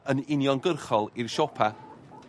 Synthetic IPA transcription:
ənɪnjɔnɡərχɔlˠirʃɔpʰa

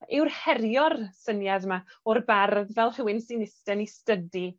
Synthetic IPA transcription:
ɪwrhɛɾjɔrsənjaðmaɔrbarðvɛlˠr̥ɪwɪnsinɪstɛnistədi

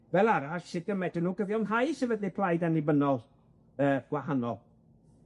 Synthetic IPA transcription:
vɛlˠaɾaɬsɪdəmɛdənuːɡəvjɔnɦajsɛvədlipʰlˠajdanlɪbənɔlˠ | əːɡ̥wahanɔ̰lˠ

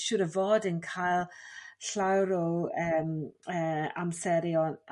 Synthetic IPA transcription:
ʃʊːɾəvoːdənkʰajlˠɬawɾowəːməːa̰msɛɾjɔn

